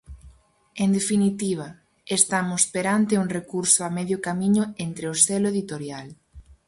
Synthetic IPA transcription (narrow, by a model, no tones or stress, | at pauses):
end̪efinit̪iβ̞ɐ | est̪amʊspeɾant̪euŋrekuɾsʊamɛðjʊkamiɲʊent̪ɾeʊselʊeðit̪oɾjal